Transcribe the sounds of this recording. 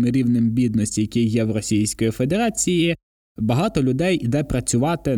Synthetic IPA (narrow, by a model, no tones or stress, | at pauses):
mɪɾʲiʋnɪmbʲid̪nɔsʲtʲijɐkʲijɛwɾɔsʲijsʲkɔjife̞d̪e̞ɾɑt͡sʲiji | bɐɦɑt̪ɔlʲʊd̪ɛjid̪ɛpɾɐt͡sʲʊʋɑt̪ɪ